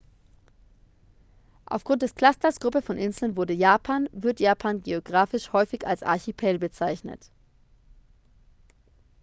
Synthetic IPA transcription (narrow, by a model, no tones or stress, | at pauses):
ʔa̰ʊfɡ̥ʁʊnt̚d̥ɛskl̥astɐsɡ̥ʁʊpəfɔnʔɪnzl̩nvʊɐdəjaːpʰaːnvɪɐtjaːpʰaːnɡeoɡʁaːfɪʃhɔʏfɪça̰lsʔa̰ɐçipʰɛːlbət͡saɪçnə̰t